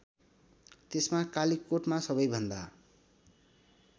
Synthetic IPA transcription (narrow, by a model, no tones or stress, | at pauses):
t̪esmakalikoʈmasʌbʌjbʱʌnd̪a